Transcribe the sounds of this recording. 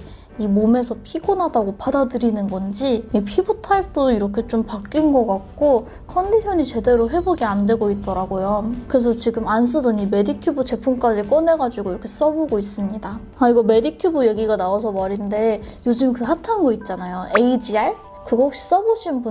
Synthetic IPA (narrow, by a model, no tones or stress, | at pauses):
imome̞sʰʌpʰiɡonadaɡopadadɯɾinɯnɡʌnd͡ʑiipʰibutʰaip̚t͈oiɾʌkʰe̞t͡ɕ͈ompak͈inɡʌk͈ak̚k͈o | kʰʌndiɕʰʌɲit͡ɕe̞de̞ɾoɸe̞boɡiande̞ɡoit̚t͈ʌɾaɡojokɯɾe̞s̬ʰʌt͡ɕiɡɯmans̬͈ʰɯdɯnime̞dikʰjubut͡ɕe̞pʰoŋk͈ad͡ʑik͈ʌne̞ɡad͡ʑiɡoiɾʌkʰe̞s͈ʌboɡois͈ɯmɲida | iɡʌme̞dikʰjubɯje̞ɡiɡanaas̬ʰʌmaɾinde̞ | jod͡ʑɯmkɯɦatʰanɡʌit̚t͡ɕ͈anajoe̞id͡ʑiaɭ | kɯɡʌok̚ɕ͈i̥s͈ʌboɕʰinbu